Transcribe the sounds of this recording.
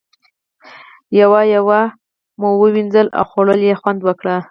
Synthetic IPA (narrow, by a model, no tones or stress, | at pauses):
jawajawa | mowəwinzəla̰wxoɽəljexwand̪wəkɽa